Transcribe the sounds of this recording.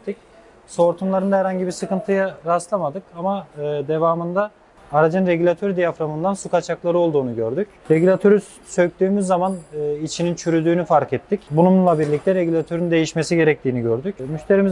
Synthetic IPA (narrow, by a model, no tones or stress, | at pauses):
t̪ʰic | so̞ɾt̪ʰumlˠaɾɯnahɛɾhaɲɟibiɾsɯkɯnt̪ʰɯjaɾast̪lˠamad̪ɯkamaɯd̪e̞vaːmɯnd̪aː | ɾad͡ʒɯnɾe̞ɟylʲat̪ʰøɾd̪ijafɾamɯnd̪ansukat͡ʃʰaklˠaɾɯo̞lˠd̪uːnuɟøɾd̪ycɾe̞ɟylʲat̪ʰø̞ɾy | søct̪yːmyzːamanɯit͡ʃʰinint͡ʃʰyɾyd̪yːnyfaɾkɛt̪ʰːicbunumlˠabiɾlʲic̚t̪ʰɛɾe̞ɟylʲat̪ʰøɾynd̪e̞jiʃme̞siɟe̞ɾɛc̚t̪ʰiːniɟøɾd̪ycmyçt̪ʰe̞ɾimiz